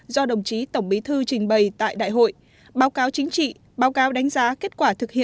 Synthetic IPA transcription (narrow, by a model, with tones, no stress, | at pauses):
zɔ˧ɗə˨˩wŋ͡mt͡ɕi˨˦t̪ə˧˩wŋ͡mɓi˨˦t̪ʰɨ˧t͡ɕï˨˩ŋ̟ɓə˨˩jt̪a̰ː˧˨jɗa̰ː˧˨jɦo̰˧˨j | ɓaː˨˦wkaː˨˦wt͡ɕï˨˦ŋ̟t͡ɕḭ˧˨ | ɓaː˨˦wkaː˨˦wɗa˨˦jŋ̟zaː˨˦ke˦˥t̚kwaː˧˩t̪ʰɨ˨˩k̚hḭ˧˨